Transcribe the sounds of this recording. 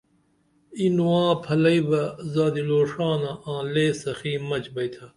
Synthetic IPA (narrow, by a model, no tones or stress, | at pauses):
inuwãːpʰɐlɐibɐzaːd̪iloːʂaːnaãːleːsɐxiːmɐt͡ʃbɐjt̪ʰɐ